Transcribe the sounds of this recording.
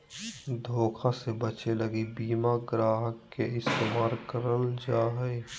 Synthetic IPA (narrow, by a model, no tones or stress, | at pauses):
d̪ʱoːkʰasebət͡ʃeləɡebiːmaɡɾaːɦəkːeɪst̪eːmaːɾkəɾəld͡ʒaːɦe